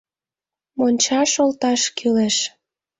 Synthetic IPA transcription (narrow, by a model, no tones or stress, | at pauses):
monʲt͡ɕɑʃolt̪ɑʃkʰyleʃ